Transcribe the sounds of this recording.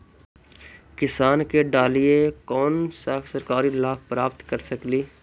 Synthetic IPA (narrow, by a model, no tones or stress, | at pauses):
kɪsaːnkeɖaːliekɔːnsasɐɾkaːɾilaːfpɾaːpt̪kɐɾsɐkliː